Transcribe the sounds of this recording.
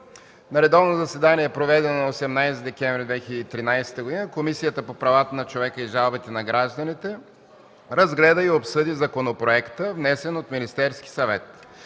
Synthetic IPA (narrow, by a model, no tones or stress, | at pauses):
nɐɾɛd̪ɔvnozɐsɛd̪aniɛɛpɾovɛd̪ɛnonɐosɛmnajsɛt̪d̪ɛkʲɛɱvɾʲid̪vɛxʲiləd̪it̪ɾinajsɛ̥t̪əɡod̪inəkomisijət̪əpopɾɐvat̪ənɐt͡ʃovɛkəiʒalˠbit̪ɛnɐɡɾaʒd̪ɐnit̪ɛ | ɾɐzɡlɛd̪əiopsɤd̪izɐkonopɾoɛkt̪əvnɛsɛnot̪minist̪ɛɾski̥sɐvɛt̪